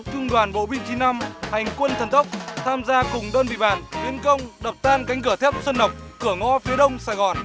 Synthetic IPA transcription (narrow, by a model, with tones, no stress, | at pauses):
t͡ɕʊ˧ŋ͡mɗwaː˨˩nɓo̰˧˨ɓï˧ŋ̟t͡ɕi˨˦na˧mha˨˩jŋ̟kwə˧nt̪ʰə˨˩nt̪ʰə˦˥k͡p̚t̪ʰaː˧mzaː˧kʊ˨˩ŋ͡mɗəː˧nvḭ˧˨ɓa̰ː˧˨nt̪wi˨˦ənkə˧wŋ͡mɗə˨˩p̚t̪aː˧nka˨˦jŋ̟kɨ˧˩ət̪ʰɛ˦˥p̚swə˧nːə˨˩wk͡p̚kɨ˧˩əŋɔ˧˥fi˨˦əɗə˧wŋ͡msaː˧˩jɣɔ˨˩n